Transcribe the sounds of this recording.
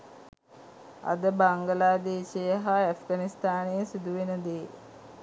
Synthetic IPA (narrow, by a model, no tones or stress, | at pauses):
ɐ̰d̪əbaŋɡəlaːd̪eːsejəɦaæfɡanist̪aːnesid̪uʋenəd̪eː